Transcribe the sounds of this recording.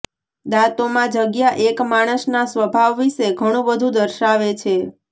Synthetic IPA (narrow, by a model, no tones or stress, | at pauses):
d̪at̪omãd͡ʒəɡjaʔekmaɽ̃əsnasʋəbʱaʋːiʃeɡʱəɽ̃ũbəd̪ʱũd̪əɾʃaʋet͡ʃʰe